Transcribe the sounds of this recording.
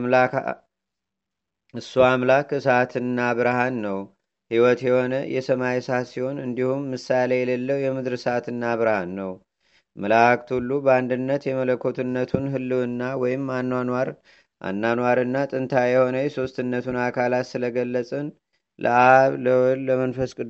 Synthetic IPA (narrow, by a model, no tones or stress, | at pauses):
la | ɨsːuamlakɨsat̪ʰɨnːabɨɾhanːəw | hiwɔt̪jɛho̞nəjʔɛsəmajsat̪siho̞nɨnd̪ihumːɨsalejɛləlːəwjɛmɨd̪ɾsat̪ɨnːaβɨɾhanːəw | məlakt̪ʰulːubəand̪ɨnːət̪jɛmələkʰːo̞t̪ʰɨnːət̪ʰunɦɨlːɨwɨnːawɔjɪmːanːanwaɾ | ʔa̰nːanwaɾɨnːat̪ʼɨnt̪ʰajɛho̞nəjɛso̞st̪ɨnːət̪ʰunakʰalat̪sɨləɡəlːət͡sʼən | lʔə̰ʔaβləːəmənfəskʼɨ